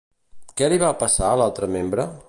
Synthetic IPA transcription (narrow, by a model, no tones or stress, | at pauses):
kɛliβapəsaəlalˠt̪ɾəmembɾə